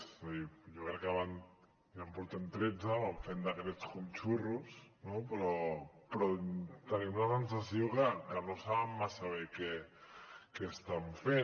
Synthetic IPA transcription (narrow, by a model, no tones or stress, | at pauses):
sijokɾekːaβan | βampoɾt̪ent̪ɾed͡zaβaɱfend̪akeɾet͡skumt͡ʃurusnopɾɔpɾɔt̪anemunasensasjokakanosaβamːasaβeke | kest̪aɱfe